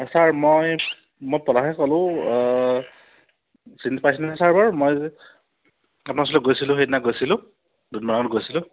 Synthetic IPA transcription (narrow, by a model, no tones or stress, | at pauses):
saɹmoj | mojpɔlaɦɛkɔlʊ̃ | sintipajsinasaɹbaɹmoj | apnas̬ɔlɔɡojsilʊ̃xejtnaɡojsilʊ̃ | dudmanaŋɔtɡojsilʊ̃